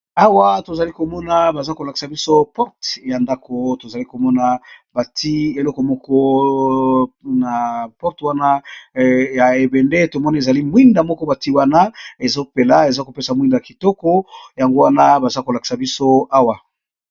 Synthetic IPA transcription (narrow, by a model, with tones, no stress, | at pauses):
a˦wa˦to˨za˨li˦ko˨mɔ˦na˦ba˨za˦ko˨la˨ki̥˨sa˨bi˦so˦pɔ˦ʁtja˨nda˦ko˨to˨za˨li˦ko˨mɔ˦na˦ba˨ti˦e˨lɔ˦kɔ˨mɔ˦kɔ˦ | na˨pɔ˦ʁtwa˦na˦ | ja˨e˨bɛ˨nde˦to˨mɔ˦ni˦˨e˨za˨li˦mwi˦nda˨mɔ˦kɔ˦ba˨ti˦wa˦na˦e˨zo˦pe˨la˦e˨za˦ko˨pe˦sa˨mwi˦nda˨a˨ki˨tɔ˦kɔ˦ja˨ŋɡo˦wa˦na˦ba˨za˦ko˨la˨ki̥˨sa˨bi˦so˦a˦wa˨